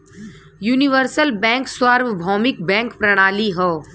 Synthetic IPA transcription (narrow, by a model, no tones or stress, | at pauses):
juːnɪʋəɾsəlbɛ̃ːŋkswaːɾʋbʱɔːmɪk̚bɛ̃ːŋkpɾɐɽ̃aːliɦɛː